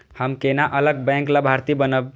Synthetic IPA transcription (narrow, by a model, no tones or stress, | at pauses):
həmkenaʔələɡ̚bɛ̃ŋklabʱaɾt̪ibənəb